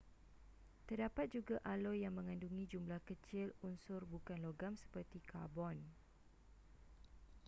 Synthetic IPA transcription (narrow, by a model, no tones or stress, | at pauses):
t̪ərdapat̪̚d͡ʒuɡaʔalɔjːaŋmə̃ŋãnduŋĩd͡ʒumlahkət͡ʃɪlunsʊrbukanloɡamsə̥pərt̪ikʰa̰bɔn